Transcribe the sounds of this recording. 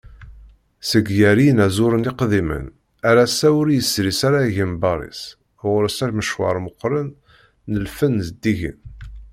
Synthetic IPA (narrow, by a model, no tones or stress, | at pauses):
səɡjæɾinæzʊɾəniqðimə̰n | æɾæsæʊɾjəsɾisaɾaʝimbɑɾˤḭs | ʁɾəsæɾməʃwɑ̰ɾˤməqːɾˤənː | əlfənzd̪ːiʝə̰n